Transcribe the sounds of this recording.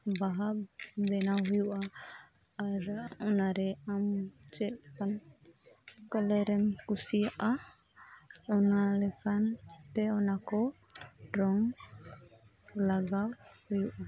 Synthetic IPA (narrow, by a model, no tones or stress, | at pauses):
baɦabɛnawɦujuʔaː | ɾɔnaɾɛamt͡ʃɛt̪ɛkan | kalɛɾɛmkusijaʔa | ɔnalɛkʰant̪ɛɔnakɔ | ɾɔŋ | laɡawhujuʔa